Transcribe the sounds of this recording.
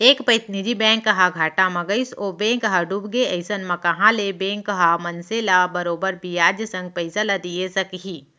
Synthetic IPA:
eːkpɐɪt̪nid͡ʒibɛ̃ːŋkːɐɦãɡʱaːʈamɐɡəɪsobẽːŋkɦaɖuːbɡeɐɪsənmɐ̃kɐɦãlebẽːŋkɦamɐnselabɐɾoːbəɾbʱijaːd͡ʒjəsɐ̃ŋɡ̚pɐɪsalɐd̪iesɐkɦiː

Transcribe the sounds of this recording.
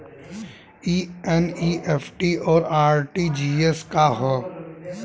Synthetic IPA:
iːɛniːʔefʰʈiɔːɾaːɾʈid͡ʒiːeskaɦɛː

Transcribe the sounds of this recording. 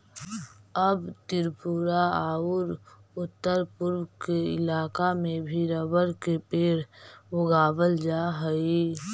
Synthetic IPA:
əbt̪ɪɾpuɾaaːʊɾʊt̪ːəɾpʊɾwkeɪ̰laːkamẽbʱiɾəbəɾkepeːɾʋʊɡaːbəld͡ʒaːɦəi

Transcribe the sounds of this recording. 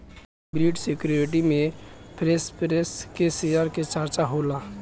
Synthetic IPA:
bɾiʈsekuɾɪʈ̬imẽpʰɾespɾeskesijaɾket͡ʃəɾt͡ʃaɦola

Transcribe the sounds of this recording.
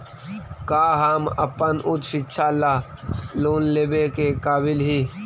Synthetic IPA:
kaːɦaːmɐ̰pənʔʊt̪ʃɪtːʃʰaːlaːloːnleːbekekaːbɪlɦi

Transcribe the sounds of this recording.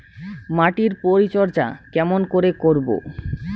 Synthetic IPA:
maʈiɾpoɾit͡ɕɔɾd͡ʑa̰kɛmonkoɾekoɾbo̰

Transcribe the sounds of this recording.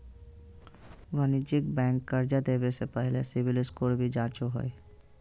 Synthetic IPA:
ʋənɪd͡ʒɪkbɛ̃ːŋkːəɾd͡ʒad̪eːbesepɛɦlesɪʋɪlɪskoːlbʱid͡ʒãːt͡ʃoɦo̰e

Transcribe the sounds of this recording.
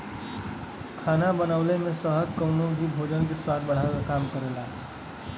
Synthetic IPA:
kʰaːnabənaːʊlemẽsəɦəd̪kənõnbʱibʱoːd͡ʒənk̬eswaːd̪̚bɐɽ̤akakaːmkəɾelaːɦ

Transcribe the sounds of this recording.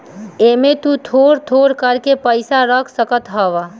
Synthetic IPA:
emẽt̪ut̪ʰoːɾt̪ʰoːɾkəɾkepəɪsaɾəkʰsəkət̪ɦəʋa

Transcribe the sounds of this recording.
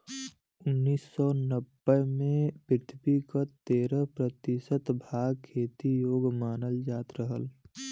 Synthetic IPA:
ʊnːiːsːɔnəbːəmẽpɪt̪ʰbikat̪eːɾəɦpɾət̪ɪsət̪bʱaːɡkʰːeːt̪ijoːɡmaːnəld͡ʒaːt̪ɾəɦəl

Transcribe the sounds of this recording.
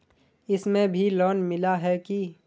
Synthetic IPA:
ɪsmẽbʱilɔːnmɪlaɦɛki

